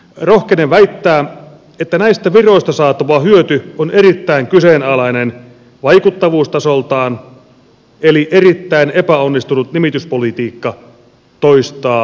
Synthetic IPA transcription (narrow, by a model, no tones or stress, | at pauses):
rohkeneʋʋæit̪ːæː | et̪ːænæist̪æʋiro̞ist̪ɑsɑːt̪ːuʋɑhyøt̪yoneɾit̪ːæiŋkyseːnɑlɑinen | ʋɑikut̪ːɑʋuːst̪ɑsolt̪ɑːn | eliʔerit̪ːæinepæonːist̪unut̪nimit̪yspolit̪iːkːɑ | t̪oist̪ɑː